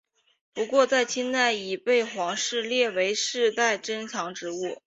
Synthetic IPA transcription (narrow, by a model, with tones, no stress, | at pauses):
pu˧˥kwɔ˥˧t͡sa˥˩ɪt͡ɕʰi˥nt̪a˥˩ɪi˨˩pe˥˩ɪxwɑ˧˥ŋʂɻ̩˥˧ljɛ˥˩we˧˥ɪʂɻ̩˥˧t̪a˥˩ɪʈ͡ʂə˥nt͡ɕʰɑ˧˥ŋʈ͡ʂɻ̩˧˥u˥˩